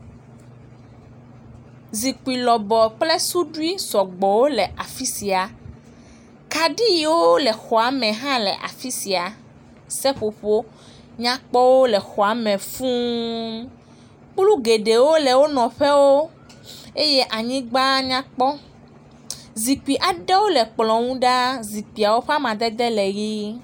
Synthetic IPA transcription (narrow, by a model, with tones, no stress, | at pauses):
zi˨k͡pu˨i˨lɔ˨bɔ˨k͡ple˦su˦ɖu˦i˦sɔ˨ɡ͡bɔ˨wo˦lɛ˨ʔa˨fi˦si˨a˨ | ka˨ɖi˦ji˨wo˦lɛ˨xɔ˨a˨˦mɛ̃˨ɦã˦lɛ̰˨ʔa̰˨fi˦si˨a˨ | sɛ˦ɸo˨ɸo˦ | ɲã˦k͡pɔ˦wo˦lɛ˨xɔ˨a˨˦mɛ̃˨fũ˦ | k͡plu˦ɡe˨ɖe˨wo˦lɛ˨wo˦nɔ̃˨ɸɛ˦wo˦ | e˦je˦ʔa˨ɲĩ˦ɡ͡ba˦ɲã˦k͡pɔ˦ | zi˨k͡pi˨ʔa˨ɖɛ˦wo˦lɛ˨k͡plɔ̃˨ŋũ˦ɖa˦zi˨pi˨a˨wo˦ɸɛ˦a˦mã˨d̪ɛ˦d̪ɛ˦lɛ˨ɣi˦